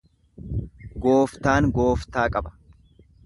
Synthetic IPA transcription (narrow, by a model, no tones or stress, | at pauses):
ɡoːft̪aːŋɡo̞ːft̪aːkʼɐbɐ̥